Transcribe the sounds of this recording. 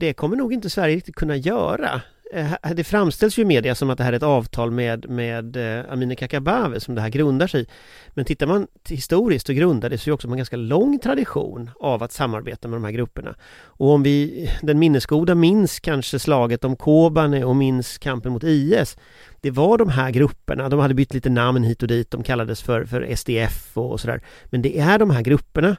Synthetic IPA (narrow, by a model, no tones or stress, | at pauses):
d̪̥ɛkʰɔmːəɳuːɡɪnt̪əsvæɾjəɾɪk̚t̪ɪt̪kʰɵnːajœ̰ːɾa̰ | hd̪ɛfɾamst̪ɛlsjɵmeːd̪ɪasɔmat̪̚d̪ɛɦæːɾɛt̪ɑːvt̪ʰɑːlmɛd̪mɛd̪a̰miːnəkʰakabaːvəsɔmd̪ɛɦæːɾɡɾɵnd̪aʂɛj | mɛnt̪ʰɪt̪ːaɾman | hɪst̪uːɾɪsk̚t̪ɔɡɾɵnd̪ad̪ɛsɔjɔksɔmɛnɡanskalɔŋːt̪ʰɾad̪ɪɧṵːnavat̪samːa̰ɾbḛːt̪amɛd̪ɔmhæːɾɡɾɵpːəɳa̰ | ɔɔmvɪd̪ɛnmɪnːəskuːd̪amɪnskʰanʂəslɑːɡət̪ɔmkʰoːbanəɔmɪnskʰampənmʊt̪iːɛs | d̪̥ɛvaɖɔmɦæɾɡɾɵpːə̰ɳad̪ɔmhad̪ːəbʏt̪ʰːliːt̪ənamnɦiːt̪ɔd̪iːt̪̚d̪ɔmkʰalːad̪əsfœɾfœ̰ɾɛ̰sd̪eːɛfɔ̰sɔd̪æ̰ːɾmɛnd̪ɛʔæɖɔmɦæːɾɡɾɵpːəɳa